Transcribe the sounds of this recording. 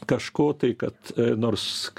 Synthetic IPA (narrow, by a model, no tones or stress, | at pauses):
kɐʃkoːt̪ɐɪkɐt̪noːrsk